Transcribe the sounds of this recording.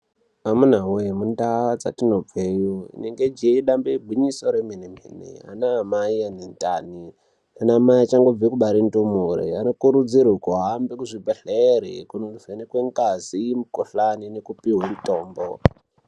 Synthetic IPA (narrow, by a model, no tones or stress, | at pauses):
amunawemundawad͡za̰tino̞b͡vejoḭneŋɡed͡ʒeiɗambebʱwiɲiso̞ɾemenem̤ḛnḛa̰naːmaianentani | anaːmaiat͡ʃaŋɡo̞b͡vekuɓaɾintumuɾḛanokuɾud͡zirukoɦambekuʐibʱeɬeɾḛkunouvenekweŋkazimukoɬaninekupiɦwemitoːmbo